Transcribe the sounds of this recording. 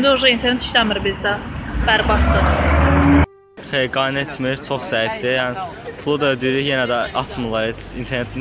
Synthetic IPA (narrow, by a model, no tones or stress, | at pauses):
d̪æoʒɑint̪ʰeɾnet̪i̥ʃlæmiɾbizd̪æbæɾbɑʃd̪ɯ | t̪ʰejiɡɑnet̪ʰmiɾt͡ʃʰoχz̥æifd̪ijæn | pʰlˠud̪ød̪yɾyjenæd̪æɑt͡s̪ʰmulˠɑɾeint̪ʰeɾnet̪ʰin